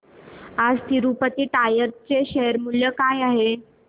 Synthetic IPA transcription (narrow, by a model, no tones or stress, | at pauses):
ad͡zt̪iɾupət̪iːʈajəɾt͡seɕeɦəɾmuljəkajaɦe